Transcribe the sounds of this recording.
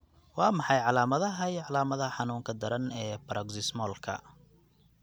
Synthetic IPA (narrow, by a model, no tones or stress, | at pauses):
wɑːmɑħɑjʕɑlaːmɐðɐɦɐjʕɑlaːmɐðɐħɑnuːŋkʰɐd̪ɐɾɐnɛːpɐɾɐɡsɪsmɔːlkʰɐ̰